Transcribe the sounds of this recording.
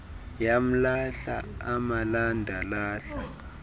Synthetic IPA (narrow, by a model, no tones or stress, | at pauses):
jam̩laɬa̰amalandʱalaːɬa